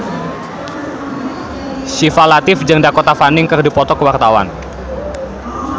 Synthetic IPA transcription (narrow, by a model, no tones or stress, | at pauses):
sifalat̪ɪfd͡ʒɨŋdakot̪afanɪŋkɨərdipɔt̪ɔkəwart̪awa̰n